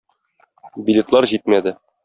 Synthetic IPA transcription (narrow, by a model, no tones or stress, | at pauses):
bʲilʲet̪lˠɑɾʑit̪̚mæd̪ɘ